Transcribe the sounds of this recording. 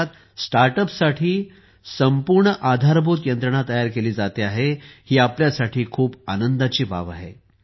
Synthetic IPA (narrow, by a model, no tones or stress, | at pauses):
t̪ | sʈaɾʈəpsaʈʰiː | səmpuɾɳəʔad̪ʱaɾbot̪jənt̪ɾəɳ̃at̪əjaɾkeliːd͡zat̪eaɦehiːapljasaʈʰiːkʰuːbanənd̪at͡ɕiːba̰ʋa̰ɦe